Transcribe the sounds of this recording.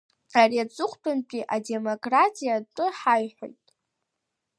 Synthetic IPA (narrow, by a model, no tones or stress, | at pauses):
ariat͡sʼʊχʷʼbʰʼɨnpʼiʔade̞mo̞kʼratʼijaʈ͡ʂʼʊħajħʷᶣo̰jtʼ